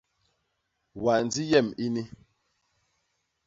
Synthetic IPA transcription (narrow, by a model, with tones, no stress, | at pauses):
wa˨n˨d͡zi˦jɛ˦˨mi˦ni˦